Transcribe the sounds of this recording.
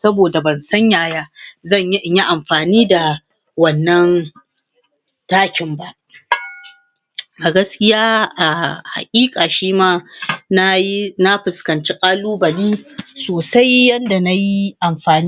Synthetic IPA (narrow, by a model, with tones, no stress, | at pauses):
sɐ˦boː˨da˨bɐ˨nsɐ˦ɲjaː˨jaː˦zɐ˦˨ɲjɲji˦ʔa˨mɸaː˨niː˦da˨ | wɐ˨nːɐ˦n | taː˦kʲɪ˨mba˦ʔ | ʔa˨ɡɐ˦skʲɪ˦jaː˦ʔa˨ha̰˨kʲʼiː˦kʼaː˨ʃiː˦maː˦na˦jna˦ɸɪ˨skɐ˨nt͡ʃe˦kʼaː˦luː˦bɐ˨niː˦soː˨sa˦jːɐ˦nda˨na˦ji˦ʔa˨mɸaː˨ni˦